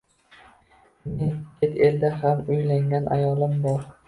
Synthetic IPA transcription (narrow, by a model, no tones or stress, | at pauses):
meŋkʰet̪ʰe̞ld̪aɦamʊjlaŋɡʲanʔa̰jɒlˠɪmbɒɾ